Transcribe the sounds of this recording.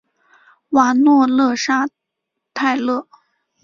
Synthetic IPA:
wa˧˥nwɔ˥˧lɤ˥˩ʂa˥ | t̪ʰa˥˧ɪlɤ˥˩

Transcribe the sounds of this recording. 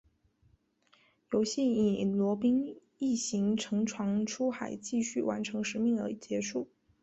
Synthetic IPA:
jo˧˥ʊɕi˥˩ni˨˩lwɔ˧˥pi˥ŋ | i˥˩ɕi˧˥ŋʈ͡ʂʰɤ˧˥ŋʈ͡ʂʰwɑ˧˥ŋʈ͡ʂʰu˥xa˨˩ɪt͡ɕi˥˧ɕy˥˩wa̰˧˥nʈ͡ʂʰɤ˧˥ŋʂɻ̩˧˥mi˥˩ŋə˞˧˥˨t͡ɕjɛ˧˥ʂu˥˩

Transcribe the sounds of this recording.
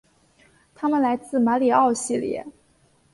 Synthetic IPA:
t̪ʰa˥mə˨nla˧˥ɪt͡sɹ̩˥˩ma˧˥li˨˩ɑ˥˧ʊɕi˥˩ljɛ̰˧˩˦

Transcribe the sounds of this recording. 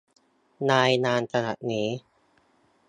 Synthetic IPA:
naː˧jnaː˧nsʰa˧na̰˨˩t̪̚niː˦˥

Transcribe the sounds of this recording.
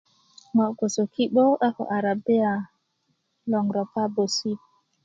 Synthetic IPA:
ŋɔ˨ɡo˨so˨ki˦ɓɔ˦ʔa˦kɔ̰˨ʔa˨ɾa˨bi˦a˨ | lɔ˨ŋɡɾɔ˨pa˦bo˨si˦

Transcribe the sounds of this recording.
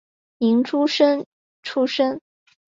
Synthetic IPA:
i˧˥ŋʈ͡ʂʰu˥ʂə˥n | ʈ͡ʂʰu˥ʂə˥ŋ

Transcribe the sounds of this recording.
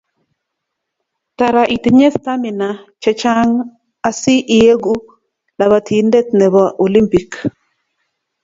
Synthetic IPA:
ta˨ɾa˨ʔi˨ti˨ɲe˦st̪a˦mi˨na˨t͡ʃɛ˦t͡ʃa˦ŋ | a˦si˦ʔi˨je˦ɡu˦ | la˨βa˨tʰi˨ndɛ˦t̪̚nɛ˨βɔ˦ʔo˨li˦mpi˨k

